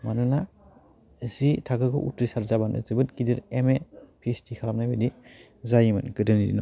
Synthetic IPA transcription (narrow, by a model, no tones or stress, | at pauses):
manɯna | zitʰakɯkʰɯʔṵtɾisaɾzabanɯ̰zɯbɯtkidiɾemepʰistʰikʰalam̚najbɯdi | zajimɯnkɯdɯnidḭn